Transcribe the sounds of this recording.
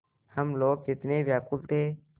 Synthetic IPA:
həmloːk̚d͡ʒɪt̪neːʋjaːkʊlt̪ʰeː

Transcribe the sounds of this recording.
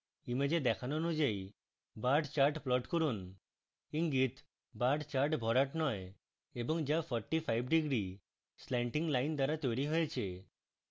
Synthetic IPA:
imed͡ʒed̪ɛkʰanɔnud͡ʒaj | baɾɖt͡ʃaɾʈplɔʈkɔɾun | iŋɡit̪ʰ | baʈt͡ʃaɾʈbʱɔɾaʈnɔj | ebɔŋd͡ʒapʰɔɾʈipʰajbɖiɡɾi | slɛɳʈiŋɡlajnd̪aɾat̪ɔjɽiɦɔjet͡ʃʰe

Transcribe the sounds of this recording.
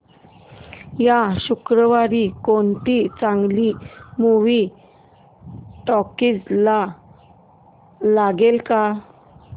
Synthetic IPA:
jaɕukɾəʋaɾikont̪it͡sãŋɡlimuʋi | ʈɔkit͡sla | laɡelka

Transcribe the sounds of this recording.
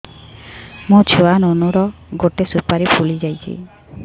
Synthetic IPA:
mot͡ʃʰuanonuɾɔ | ɡoʈesupaɾipʰulid͡ʒajt͡ʃʰḭ

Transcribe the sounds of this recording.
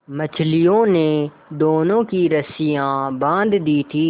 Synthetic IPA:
mət͡ʃʰlijõːneː | d̪oːnõːkiɾəsijãːbãːnd̪d̪iːt̪ʰiː

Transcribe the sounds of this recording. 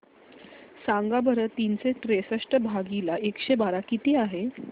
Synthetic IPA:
saŋɡabəɾət̪ːinseʈɾesəʂʈəbʱaɡilaekɕebaɾakit̪iːaɦe

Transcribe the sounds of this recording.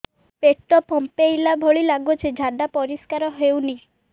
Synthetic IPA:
peʈɔpʰɔmpejlabʱoɭilaɡut͡ʃʰed͡ʒʱaɖapɔɾiskaɾɔɦewni

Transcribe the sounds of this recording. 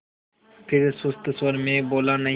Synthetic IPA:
pʰɪɾesʊst̪əswəɾmẽːboːlaːnɐ

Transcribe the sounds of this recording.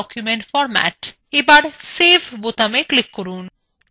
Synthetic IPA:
ɔkjumeɳʈfɔɾmæ̰ʈ | ebaɾsefbot̪ameklikːoɾun

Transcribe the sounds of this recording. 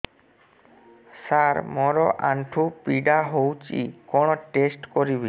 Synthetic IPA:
saɾmɔɾɔʔaɳʈʰupiɖaɦowt͡ʃḭkɔɽ̃ɔʈesʈkɔɾibi

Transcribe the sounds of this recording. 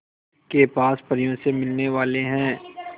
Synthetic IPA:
kepaːspɐɾijõsemɪlneʋaːleɦɛ̃ː

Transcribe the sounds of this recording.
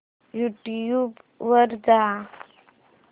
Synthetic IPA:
juʈjub | ʋəɾda

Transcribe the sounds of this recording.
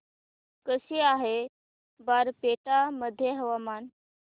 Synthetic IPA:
kəsiaɦe | baɾpeʈaməd̪ʱjeɦəʋamaːn

